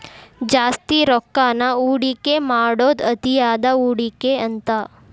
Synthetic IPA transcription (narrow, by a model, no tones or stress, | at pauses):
d͡ʒaːst̪iɾokːanauːɽikemaːɽod̪ət̪ijaːd̪auɽikeənt̪a